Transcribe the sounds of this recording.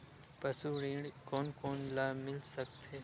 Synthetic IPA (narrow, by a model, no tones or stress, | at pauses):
pəsuːɾiːɳkoːnkoːnlaːmɪlsək̚t̪ʰeː